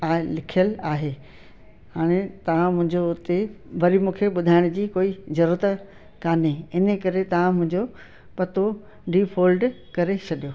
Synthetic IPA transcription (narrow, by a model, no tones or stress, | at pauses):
aːlɪkʰijəlaːɦeː | ɦaːɽ̃et̪ɐʋ̤ãmʊ̃ɦɪ̃ɲd͡ʑoʊt̪eʋɐɾimũːkʰeɓʊd̪ʱaːɪɽ̃d͡ʑiːkoːizɐɾuːɾət̪ | kaːneɪnə̆kɐɾet̪ɐʋ̤ãmʊ̃ɦɪ̃ɲd͡ʑo | pɐt̪o | ɖiːfʰoːlɖ | kɐɾet͡ɕʰɐɗijo